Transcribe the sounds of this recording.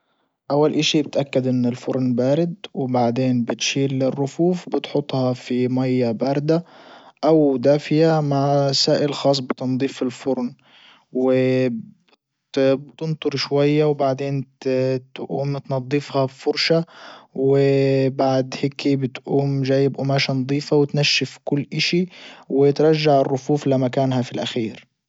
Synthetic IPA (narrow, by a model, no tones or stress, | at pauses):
ʔawːalʔɪʃibɪt̪ʔakːad̪ʔɪnːɪlfʊɾˤnbaːɾɪd̪wɪbaʕd̪eːnbɪt̪ʃiːlːɪrːʊfuːfbɪt̪ħʊt̪ˤːhɑfimajːabaːɾˤd̪aʔawd̪aːfɪjamaʕsaːʔɪlxɑːsˤbɪt̪ɑnd̪ˤiːfɪlfʊɾˤn | wɪ | t̪ʊnt̪ˤʊɾʃwajːawbaʕd̪eːnt̪ʔuːmt̪nɑd̪ˤːɨfhɑfʊɾʃawɪbaʕd̪hɪkʰibɪt̪ʔuːmʒaːjːɪbʔʊmaːʃanɑd̪ˤiːfawɪt̪naʃːɪfkʊlːʔaʃiwɪt̪ɾˤɑʒːaʕɪrːʊfuːflamakaːnɦafilʔaxiːɾ